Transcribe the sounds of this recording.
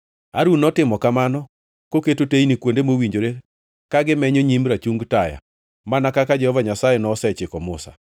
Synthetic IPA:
aɾunɔtɪmɔkamanɔ | koketoteinikwondemowiɲd͡ʒoɾe | kaɡɪmɛɲoɲimɾat͡ʃuŋɡtaja̰ | manakakad͡ʒɛhɔvaɲasajenɔːsɛt͡ʃɪkɔmʊsa̰

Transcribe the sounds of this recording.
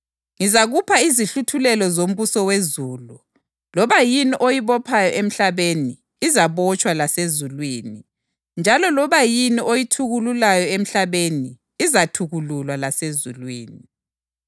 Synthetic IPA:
ŋizaɣupʰaiziɬutʰulɛlɔzom̩βusɔwezuːlu | lɔβajiniʔojiβɔpʰajɔʔem̩ɬaβeniː | zaβɔt͡ʃʼwalasezulwiːni | nd͡ʒʱalɔlɔβajiniʔojitʰuɣululajɔem̩ɬaβeniː | zatʰuɣululwalasezulwḭːni

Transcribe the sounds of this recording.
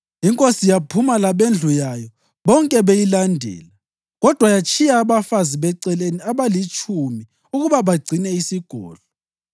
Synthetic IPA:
iŋkʼosijapʰumalaβend͡ɮʱujajɔ | βɔŋkʼɛβejilandʱɛ̰ːla | ɣɔd̥ʱwajat͡ʃʰʼijaːβafaziβɛǀɛleniaβalit͡ʃʰʼumi | uɣuβaβaɡ͡ǀʱinɛisiɡ̥ʱɔ̰ːɮɔ

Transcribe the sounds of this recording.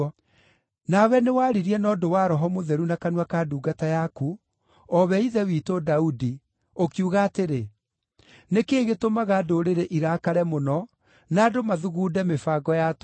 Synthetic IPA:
nawɛnewaːɾiɾiɛnɔːdowaːɾɔɦɔmoðɛɾunakanwakaduːɡatajaku | ɔβɛiðɛwiːtodaudi | okjuɣaːteɾe | nekeːɣetomaɣadoɾeɾeʔiɾakaɾɛmonɔ | naːdomaðuɣuːdɛmefaɡɔjat

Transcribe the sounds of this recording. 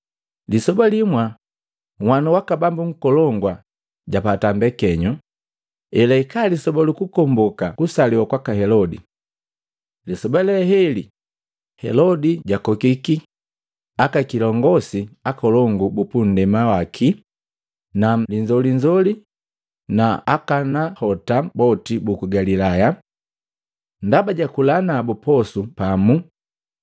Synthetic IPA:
lisɔbalimwa | ŋwanuwakabambuŋ̩kɔlɔŋɡwa | ɟapatambɛkɛɲɔ | ɛlaikalisɔbalukukɔmbɔkakusaliwakwakaɦɛlɔdḭ | lisɔbalɛɦɛli | hɛ̰lɔdiɟakɔkiki | akakilɔŋɡɔsiakɔlɔŋɡubupun̩dɛmawakʰi | naliɲd͡ʒɔliɲd͡ʒɔli | naakanahɔtabɔtibukuɡalilaja | ndabaɟakulanabupɔsupamu

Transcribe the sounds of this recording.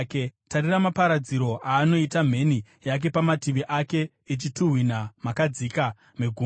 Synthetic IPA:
ketaɾiramapaɾad͡ziɾo̞ʔaːno̞itam̤e̞ni | jak̬e̞pamatiʋiʔake̞ | it͡ʃituɦwinamakad͡zika | meɡʱu

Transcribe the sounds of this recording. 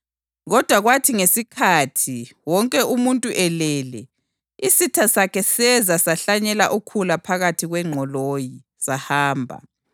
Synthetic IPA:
ɣɔd̥ʱwaɣwatʰiŋesikʰatʰiwɔŋkʼɛʔumuntʼuʔɛlɛlɛ | isitʰasakʰɛsɛzasaɬaɲɛlaʔukʰulapʰaɣatʰiɣwɛŋ͡ǃʱɔloji | sahaːmbʱa̰

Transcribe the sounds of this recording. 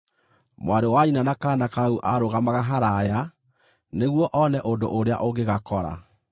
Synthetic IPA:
mwaɾewainanakanakauʔaɾoɣamaɣaɦaɾaja | neɣwɔʔɔnɛʔondo̰ʔoɾea̰ʔoɡeɣakɔɾa̰

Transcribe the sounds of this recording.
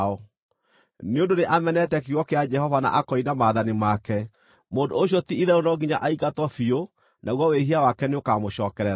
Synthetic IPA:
ɔ | neondoneʔamɛnɛtɛkewɔkead͡ʒɛhɔvana̰ʔakɔinamaːðanimakɛ | moːndoːɕ̬jɔtiiðɛonɔɡiɲa̰ʔaiɡatwɔfio | nʔaɣwɔweɦiawakɛneokamoɕɔːkɛɾɛɾ

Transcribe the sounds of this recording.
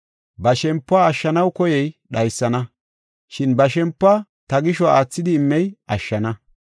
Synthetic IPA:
bɐʃɛmpːʊaːʃːɐnɐwkɔjɛjɗɐjsːɐnɐ | ʃɪnbɐʃɛmpːa | t̪ɐɡɪʃɔaːt͡sːɪd̪ɪːmːɛjʔɐʃːɐnɐ

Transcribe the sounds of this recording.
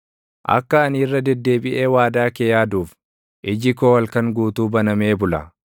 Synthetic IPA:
ʔɐ̰kːɐɐnirːɐd̪ɛd̪ːe̞ːbɪʔe̞ːwaːd̪aːkeːjaːd̪uːf | ʔɪd͡ʒɪkoːwɐlkɐŋɡuːt̪uːbɐnɐmeːbʊlɐ

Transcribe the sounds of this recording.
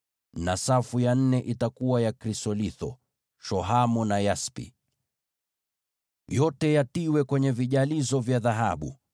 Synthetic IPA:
nasafujan̩nɛʔitakuwajakɾisɔliθɔ̰ | ʃɔɦamɔnajaspḭ | jɔtɛjatiwɛkwɛɲɛviʄalizɔvjaðaɦa̰ɓṵ

